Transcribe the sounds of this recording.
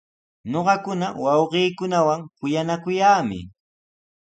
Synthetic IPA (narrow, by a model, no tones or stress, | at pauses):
ɲoɢɑkʊnawɑwɢiːkʊnawaŋkʊjanakʊjaːmɪ̰